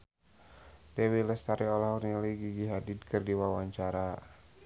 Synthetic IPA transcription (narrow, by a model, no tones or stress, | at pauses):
dɛwilɛst̪aɾiɔlahurniliɡiɡiɦadid̚kɨrdiwawaɲt͡ʃaɾa